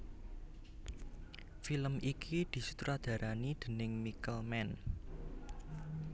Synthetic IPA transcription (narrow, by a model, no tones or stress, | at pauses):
filəmʔikʰid̪̥i̤su̥t̪ɾad̪̥ä̤ɾanid̪̥ə̤nɪŋmikəlmɛn